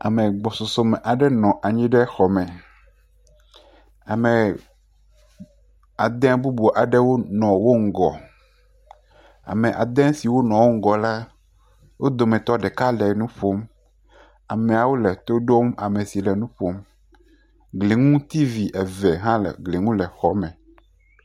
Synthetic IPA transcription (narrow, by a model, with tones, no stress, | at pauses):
a̰˨mẽ˨ɡ͡bɔ˨so˨so˦mɛ˨ʔa˨ɖɛ˦nɔ̃˨ʔa˨ɲĩ˦ɖɛ˦xɔ˨mɛ̃˨ | a˨mɛ̃˨ | a˨d̪ɛ̃˦bu˦bu˨ʔa˨ɖɛ˦wo˦nɔ̃˨wo˦ŋ̩˨ɡɔ̰˨ | a̰˨mẽ˨ʔa̰˨d̪ɛ̃˦si˨wo˦nɔ̃˨wo˦ŋ̩˦ɡɔ˨la˦ | wo˦d̪o˨mɛ̃˨t̪ɔ˦ɖɛ˨ka˦lɛ˨nũ˦ɸo˦m | a˨mɛ̃˨a˨wo˦lɛ˨t̪o˦ɖo˦ma˨mẽ˨si˨lɛ˨nũ˦ɸo˦m | ɡle˨ŋũ˦t̪i˦vi˨ʔɛ˨vɛ˨ɦã˦lɛ̰˨ɡle˨ŋũ˦lɛ˨xɔ˨mɛ̃˨